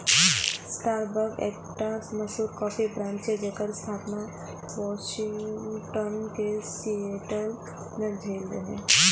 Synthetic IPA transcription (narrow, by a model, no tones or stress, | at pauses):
sʈaːɾbəɾkḛːk̚ʈasmɐsuːɾkɔːfibɾãːnt͡ʃed͡ʒekəɾst̪ʰaːpna | ʋɔːʃɪŋɡʈənkesieʈəl | nəd͡ʒʱeːld̪eɦḛ̃ː